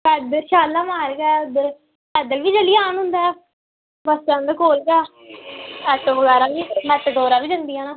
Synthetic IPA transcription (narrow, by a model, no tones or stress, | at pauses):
kɛd̪əʃaːlːaːmaːɾɡɛːd̪ə | ɛd̪əlʋiːd͡ʒəlːiːaːnɦʊnd̪aː | bəst͡ʃãnd̪əkoːlɡɛː | ɛʈoʋəɡaːɾãːʋiːmɛt̪ɖoːɾaːʋiːd͡ʒənd̪ijãːnãː